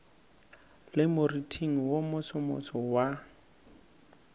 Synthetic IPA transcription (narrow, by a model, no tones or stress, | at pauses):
lɪmʊritʰiŋ̩womʊsʊmʊ̰sɔwa